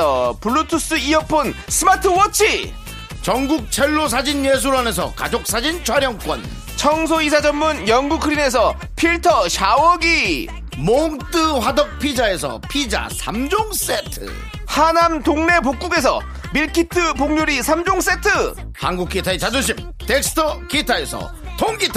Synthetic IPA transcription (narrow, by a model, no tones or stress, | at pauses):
ʌpuɭːutʰus͈ɯiʌk̚p͈ʰonsʰɯmatʰɯwʌt͡ɕʰi | t͡ɕʌŋɡuk̚t͡ɕʰeɭːos̬ʰad͡ʑinjes̬ʰuɾane̞s̬ʰʌ̰ka̰d͡ʑok̚s͈ad͡ʑint͡ɕʰʌɾjʌŋk͈wʌ̰n | t͡ɕʰʌŋs̬ʰois̬ʰad͡ʑʌmːunjʌŋɡukʰɯɾine̞sʰʌ | pʰiɭtʰʌɕʰawʌɡi | moŋt͈ɯɸwadʌk̚pʰid͡ʑae̞s̬ʰʌ̰pʰid͡ʑa̰sʰamd͡ʑoŋs͈etʰɯ̰ | hanamtoŋne̞pok͈uɡe̞s̬ʰʌ̰ | miɭkʰitʰɯpoŋɲuɾisʰamd͡ʑoŋs͈e̞tʰɯ | hanɡuk͈̚ʰitʰaet͡ɕad͡ʑoɕ̬ʰim | tek̚s͈ʰɯ̥tʰʌkitʰae̞sʰʌ̰ | tʰoŋɡitʰ